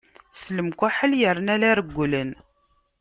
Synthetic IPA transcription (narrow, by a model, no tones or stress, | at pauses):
θsləmkʷæħəljəɾnælæɾəɡʷːlən